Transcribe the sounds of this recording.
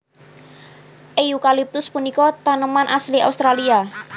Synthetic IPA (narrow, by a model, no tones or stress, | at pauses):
ʔejukalip̚t̪ʊspunikɔt̪anəmanʔaslia̰ust̪ɾalia